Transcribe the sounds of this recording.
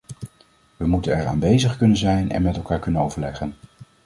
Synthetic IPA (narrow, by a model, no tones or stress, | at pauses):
ʋəmutənɛɹa̰ːnbejzəχkɵnənzɛjnɛ̰nmɛtɛlˠkaːɹkɵnənowvəɹlɛχən